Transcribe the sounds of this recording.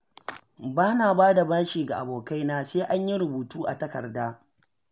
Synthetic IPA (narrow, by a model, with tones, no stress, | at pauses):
baː˦naː˨baː˦da˨bɐ˦nʃiː˨ɡa˨ʔa˨boː˨ka˦jnaː˦seː˦ʔa˦ɲji˦ɾʊ˨buː˨tuː˦ʔa̰˨tɐ˦kɐ̰˨rdaː˦